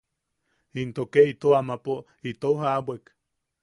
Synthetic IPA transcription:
int̪okeit̪oamapo | it̪oɦabwek

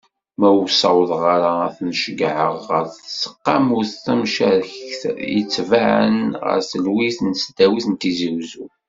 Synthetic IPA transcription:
mæusɑwðˤʁaɾaæθnəʃəɡʕəʁːəɾθsə̥qːɑ̰mʊɾθθæmʃæɾjət͡sːvaʕə̰nʁə̰ɾθəlwiθnsd̪æwiθənt̪iziwzu

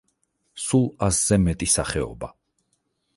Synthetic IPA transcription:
sulˠasz̥ɛmɛt̪ʼisaχɛɔ̰ba

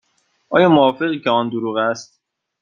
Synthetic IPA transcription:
ʔɒːjɒːmoɒːfe̞ɣiːcʰeɒːnd̪oɾuːɣæst̪̚

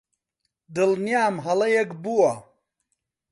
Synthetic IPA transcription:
d̪ɨlnjaːmɦɐlɐjekbuwɐ

